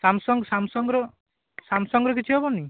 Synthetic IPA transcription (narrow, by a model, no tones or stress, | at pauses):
samsɔŋɡsamsɔŋɡɾɔ | samsɔŋɡɾɔkit͡ʃʰuɦɔbɔni